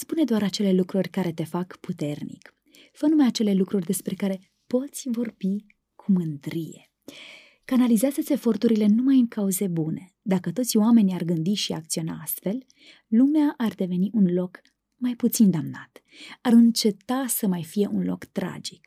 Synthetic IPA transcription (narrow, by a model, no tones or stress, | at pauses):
spune̞d̪oaɾat͡ʃe̞le̞lukɾurʲkaɾe̞t̪e̞fakput̪e̞rnḭk | fənumajat͡ʃe̞le̞lukɾurʲd̪e̞spɾe̞kaɾe̞ | po̞t̪sʲvo̞rbi | kʰumɨnd̪ɾijḛ | kanalizeazet̪sʲe̞fo̞rt̪uɾile̞numajɨŋkauze̞bune̞ | d̪akət̪ot̪sʲoame̞nʲiarɡɨnd̪iʃiak̚t̪sio̞na̰ast̪fe̞l | lumeaʔard̪e̞ve̞niʔunlo̞k | majput̪sind̪amna̰t̪ | arɨnt͡ʃe̞t̪asəmajfije̞ʔunlo̞̰kt̪ɾa̰d͡ʒik